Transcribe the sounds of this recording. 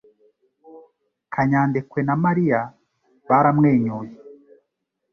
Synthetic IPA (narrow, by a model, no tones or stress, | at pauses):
kʰaɲaːndekwenamaɾija | βaɾamŋe̞ːɲoːje